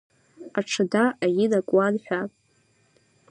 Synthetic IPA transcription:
aʈ͡ʂʰɨdaʔajɪnakʷʼwanħʷᶣapʼ

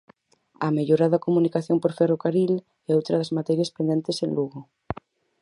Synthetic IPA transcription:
ameʎoɾaðakomunikaθjompoɾferokaɾil | ɛowt̪ɾaðazmat̪ɛɾjaspend̪ent̪esenluɣo

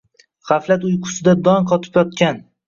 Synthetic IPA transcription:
ʁɑflat̪ʊjqʰʊ̥sɪd̪ad̪ɒŋqʰɒt̪ʰɪ̥pjɒt̪kʲan

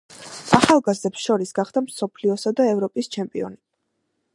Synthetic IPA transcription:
aχalˠɡazd̪ɛpsʃɔɾisɡaχd̪amsɔpʰliɔsad̪aɛvɾɔpʼist͡ʃʰɛmpʼiɔ̰ni

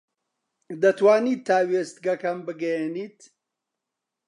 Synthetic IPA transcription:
d̪ɐt̪waːniːt̪ʰːaːweːst̪̚ɡɐkɐmbɨɡɐjeniːt̪

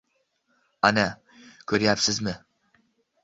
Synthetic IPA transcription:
ana | kʲʰɵɾjapsɪzmɪ

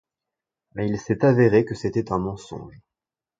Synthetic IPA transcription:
mɛilsɛt̪aveʁekəset̪ɛt̪ɛ̃mɑ̃sɔ̰̃ʒ

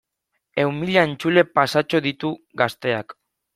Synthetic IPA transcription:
e̞wmiʎaent͡sule̞pasat͡ʃo̞ðit̪uɡast̪e̞a̰k

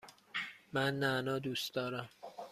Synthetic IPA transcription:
mænːænɒːd̪uːsd̪ɒːɾæm

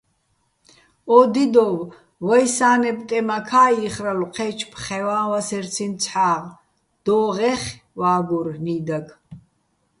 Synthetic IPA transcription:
ɔd̪id̪ɔw | vajsaːnɛpʼt̪ʼɛmakʰaːiːχraluqʰɛt͡ʃʰpʰχɛwaːwasɛɾt͡sʰint͡sʰħaːʁ | d̪̥ɔːʁɛχwaːɡuɾniːd̪aɡʰ

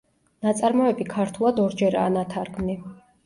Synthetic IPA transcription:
nat̪sʼaɾmɔɛbikʰaɾt̪ʰulˠad̪ɔɾd͡ʒɛɾa̰ːnat̪ʰaɾɡmni

